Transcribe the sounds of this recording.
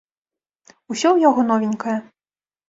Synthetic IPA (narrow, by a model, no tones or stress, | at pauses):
usʲɔwjaɣɔnɔvʲɪnʲkɐjɛ